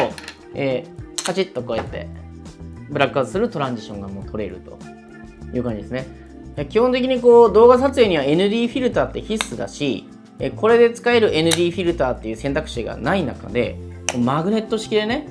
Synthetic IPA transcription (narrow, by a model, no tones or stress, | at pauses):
so | eːkat͡ɕit̪ːo̞ko̞et̪ːe̞̰ | bɯ̟ɾakɯazɨsɨɾɯ̟t̪o̞ɾãɲd͡ʑiɕõ̞ŋɡamo̞ːt̪ʰo̞ɾe̞̰ɾɯ̟̰t̪o̞̥̰ | jɯ̟ːkãɲd͡ʑid̪esɨne | jakʲihõ̞nt̪̬ek̬ʲiɲ̟iko̞ːd̪o̞ːɡasat͡sɨe̞ːɲ̟iβae̞nɯ̟d̪ʲiːɸʲiɾɯ̟t̪aːt̪ːe̞çisɨd̪a̰ɕi | eːko̞ɾe̞d̪e̞t͡sɨ̥kae̞ɾɯ̟ʔe̞nɯ̟d̪ʲiːɸʲiɾɯ̟t̪aːt̪ːe̞jɯ̟ːsent̪akɯ̟̥ɕiɡa̰nainaka̰d̪e̞̰koːmaɡɯ̟ne̞t̪ːo̞ɕi̥kʲid̪e̞ne̞